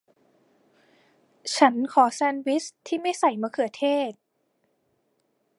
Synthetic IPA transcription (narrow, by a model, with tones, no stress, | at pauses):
t͡ɕʰa˦˥nkʰɔː˩˦sɛː˧nwi˦˥st̪ʰiː˥˩ma˥˩jsa˨˩jmaː˧kʰɯ˨˩˦t̪ʰeː˥˩t̪̚